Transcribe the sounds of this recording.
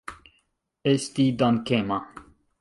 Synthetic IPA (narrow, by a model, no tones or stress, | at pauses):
est̪id̪ankema